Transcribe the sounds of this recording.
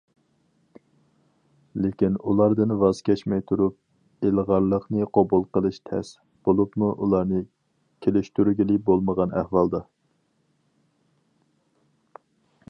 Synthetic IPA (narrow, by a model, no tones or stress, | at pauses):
lekʲinulˠɑɾd̪ɨnvɑzkʲɛt͡ʃmɛjt̪ʰuɾup̚ | elˠʁɑɾlˠəχnɨqʰobulˠqəlˠɨʃt̪ʰɛ̰s | b̥olˠupmuʔulˠɑɾnɨ | kʲʰelɪʃt̪yɾyɡʲilɪbolˠməʁɑnæhwɑlˠd̪ɑ